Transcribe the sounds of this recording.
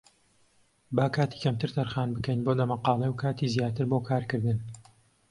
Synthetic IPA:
baːkʰaːt̪i̥kʰɐmt̪ʰɨɾt̪ʰɐɾχaːnbɨkɐjnboːlɐmɐqɑːlˠewkʰaːt̪iːzjaːt̪ɨɾboːkʰaːɾkɨɾd̪ɨn

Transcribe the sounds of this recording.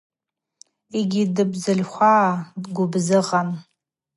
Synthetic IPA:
eɡʲidɨbzɨlχʷaːdɡʷʊbzɨqʼan

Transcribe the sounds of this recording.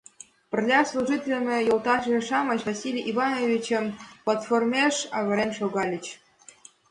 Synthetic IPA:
pʲɘ̆rʲlʲɑslˠuʐitʲelʲmʲĕjolˠt̪ɑʂĕʂɑmɑ̆ɕvasʲilʲijʔivɑnovʲit͡ɕɘ̆mplˠɑt̪formʲeʂɑvʲɤ̆ɾʲemʲʂoɡɑlʲɘ̆t͡ɕ

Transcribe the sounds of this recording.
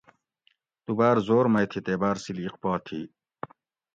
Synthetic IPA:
t̪ubaːɾzoːɾmɐjt̪ʰit̪eːbaːɾsiliqpaːt̪ʰḭ

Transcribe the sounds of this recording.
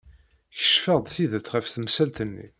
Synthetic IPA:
çə̥ʃfəʁd̪ˤθiðəθʁəfθəmsælt̪ənːḭ

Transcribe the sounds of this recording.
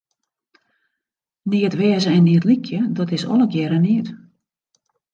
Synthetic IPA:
niətʋɛːzəɛnːiːətlikʰjədɔtɪsɔ̰ləkjɛɾəniət

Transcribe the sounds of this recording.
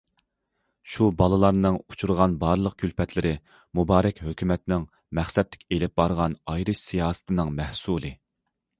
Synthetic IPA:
ʃubɑlˠɨlˠɑɾnɨŋut͡ʃʰuɾʁɑnbɑɾlˠəq̚kʲʰylpɛt̪ʰlɪɾɪ | mubɑːɾɛkʲɦøkʲymɛt̪nɪŋ | mæχsɛt̪lɪ̥kʲelɪp̚bɑɾʁɑnɑjɾɨʃsijɑːsɨ̥t̪ʰɨnɨŋmɛhsulˠɨ

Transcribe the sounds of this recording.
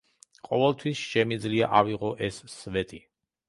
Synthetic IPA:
qʼɔvɛlˠt̪ʰwisʃɛmid̪zliaʔaviʁɔʔɛsːvɛt̪ʼi

